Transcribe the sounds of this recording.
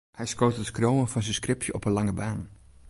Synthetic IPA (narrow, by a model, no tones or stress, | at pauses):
hɛjskowtətskrowənfɑnzənskrɪpʰjəʔɔpənlɑŋəbaːn